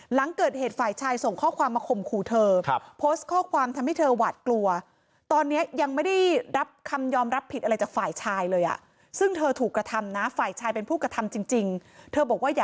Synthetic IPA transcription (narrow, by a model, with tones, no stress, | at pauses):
la˩˦ŋkɤː˨˩t̪̚heː˨˩t̪̚faː˨˩jt͡ɕʰaː˧jso˨˩ŋkʰɔː˥˩kʰwaː˧mːaː˧kʰo˧mkʰuː˧˩t̪ʰɤː˧pʰoː˦˥st̪̚kʰɔː˥˩kʰwaː˧mt̪ʰa˧mha˥˩jt̪ʰɤː˧waː˨˩t̪̚klu˧ɐ | t̪ɔː˧nːi˦˥ɐja˧ŋma˥˩jda˥˩jɾa˦˥p̚kʰa˧mjɔː˧mɾa˦˥pʰːi˨˩t̪̚ʔɾa˧jt͡ɕaː˨˩k̚faː˨˩jt͡ɕʰaː˧jlɤː˧jʔa̰˨˩ | sɯ˥˩ŋt̪ʰɤː˧t̪ʰuː˨˩kːɾa˧t̪ʰa˧mna˦˥faː˨˩jt͡ɕʰaː˧jpe˧npʰuː˥˩kɾa˧t̪ʰa˧mt͡ɕi˧ŋt͡ɕi˧ŋt̪ʰɤː˧bɔː˨˩k̚waː˥˩jaː˨˩